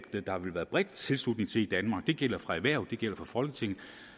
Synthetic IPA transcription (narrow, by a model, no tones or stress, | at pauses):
əd̥ɑ̈hɑ̈ʋe̝lʋæːɐðˠb̥ʁɛd̥t͡sʰe̝lslud̥ne̝ŋt͡sʰe̝id̥ænmɑ̈ːɡ̥̚d̥e̝ɡ̥el̰ɐfʁɑ̈æʋæɐ̰d̥e̝ɡ̥el̰ɐfɑ̈fɒ̽lɡ̥ət͡sʰe̝ŋ̰n̩